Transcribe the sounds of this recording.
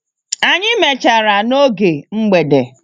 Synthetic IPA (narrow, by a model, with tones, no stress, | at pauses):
a˨ɲɪ˦me˨t͡ʃa˨ɾa˨no˦ɡe˨ŋ͡m̩˦ɡ͡be˨de˨